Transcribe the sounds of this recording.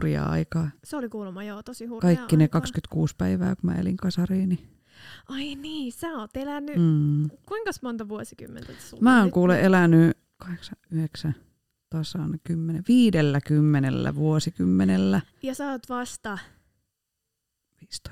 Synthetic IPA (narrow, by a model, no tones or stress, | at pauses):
riɑ̰ɑ̰ikɑːseolikuːlumːɑjoːt̪osihukɑikːinekɑkskyt̪kuːspæiʋæ̰ːkumæ̰ḛlḭŋkɑsɑriːni | ʔɑiniːsæoːt̪elænːyːkuiŋkɑsmont̪ɑʋuosiky̰mːent̪æmæːoŋkuːleʔʔelæny | kɑheksɑyheksæ | t̪ɑsɑnkymːeneʋiːdelːækymːenḛlːæ̰ʋuosikymːenelːæjɑsɑot̪ʋɑst̪ɑ | ʋiːst̪